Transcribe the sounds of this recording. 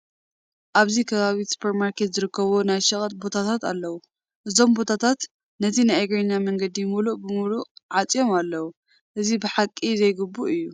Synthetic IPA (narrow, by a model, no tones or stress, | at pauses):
ʔaβzikʰɐβaβisu̥pʰeɾmaɾkʰe̞t̪zɨɾɨkʰːɐβonajʃɐχʼɐt̪̚bo̞t̪ʰat̪ʰat̪a̰lːɐwu | ʔɨzo̞mbo̞t̪ʰat̪ʰat̪ | nɐt̪ʰinajaɡɾeɲːamɐŋɡɐd̪ijmuluʔbɨmuluʕat͡sʼjo̞malːɐwu | ʔɨzibɨħakʼːizɐjɡɨbːuʔɨjːu